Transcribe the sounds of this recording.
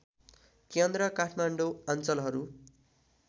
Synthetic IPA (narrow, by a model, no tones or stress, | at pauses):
kend̪rʌkaʈʰmaɳɖoant͡sʌlɦʌɾu